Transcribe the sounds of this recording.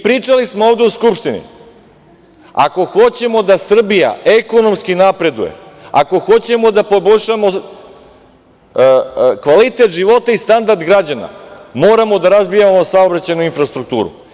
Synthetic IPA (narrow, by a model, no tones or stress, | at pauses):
pɾiːt͡ʂalismooːʋd̪euskupʃt̪inḭ | a̰ko̞xo̞t͡ɕe̞mo̞d̪asr̩bija̰e̞kono̞mskinapɾe̞d̪ṵjḛa̰ko̞xo̞t͡ɕe̞mo̞d̪apo̞boʎʲʃamo̞ | kʋalit̪e̞t̪ʒiʋo̞t̪aist̪and̪aɾd̪ɡɾad͡ʑana̰moːɾamo̞d̪aɾazbijamo̞saobɾat͡ɕajnuinfɾast̪ɾuk̚t̪ṵːɾṵ